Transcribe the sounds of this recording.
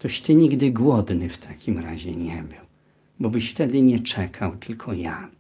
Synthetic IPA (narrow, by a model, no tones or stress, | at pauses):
t̪ɔɕt̪ɘɲiɡd̪ɘɡwɔd̪nɘft̪ʰakʲimɾa̰ʑɛ̰ɲɛbɘw | bɔbɘɕft̪ɛd̪ɘɲɛt͡ʂɛkʰawt̪ʰɘlkʰɔja